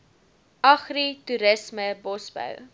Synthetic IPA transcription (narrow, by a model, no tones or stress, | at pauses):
ʔɐχrituɾəsməbɔsbə̰w